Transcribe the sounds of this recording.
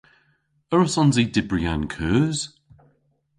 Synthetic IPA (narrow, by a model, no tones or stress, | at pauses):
əɹəsɔnzidɪbɹiankʰœːz̥